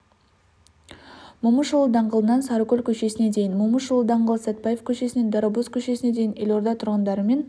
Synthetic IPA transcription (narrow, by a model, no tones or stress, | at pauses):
mʊməʃulˠəd̪ɑɴʁəlˠənɑnsɑɾəkʲɵlʲkʲʰɵʃe̞sɪne̞d̪e̞jɪnmʊməʃulˠəd̪ɑɴʁəlˠəsæt̪̚pɑje̞fkʲʰɵʃe̞sɪne̞nd̪ɑɾobuskʲʰɵʃe̞sɪne̞d̪e̞jɪnelʲo̞ɾd̪ɑt̪ʰʊɾʁɑnd̪ɑɾəme̞n